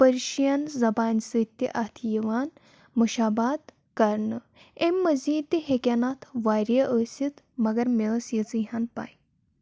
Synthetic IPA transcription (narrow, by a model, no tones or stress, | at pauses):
pəɾɕijanzɐbansət̪ːiʔat̪ʰjiʋan | məɕabad̪ | kɐɾɳə | ẽmːɐd͡ziːd̪iɦekʲanat̪ʰʋaɾjəʔəsit̪ | mɐɡəɾmesjet͡sɨɦanpa̰j